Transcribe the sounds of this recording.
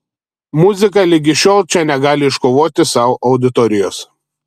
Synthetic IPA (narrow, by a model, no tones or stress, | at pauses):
mʊzʲɪkɐlʲɪɡʲɪʃʲoːlˠt͡ʃʲɛnʲɛɡɑːlʲɪɪʃkoːʋoːt̪ʲɪsɑˑʊʔɒʊd̪ʲɪt̪ɔɾʲɪjoːs